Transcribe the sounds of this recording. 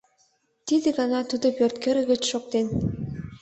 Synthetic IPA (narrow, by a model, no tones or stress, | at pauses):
t̪id̪ɘ̆ɡɑnɑt̪ud̪opʲørt̪keɾɘ̆ɡʲɘ̆t͡ɕʃok̚t̪en